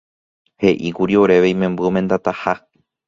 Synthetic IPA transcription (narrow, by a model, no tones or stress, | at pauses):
he̞ʔikuɾio̞ɾe̞ʋeĩmẽmbɨomẽ̞nd̪at̪aha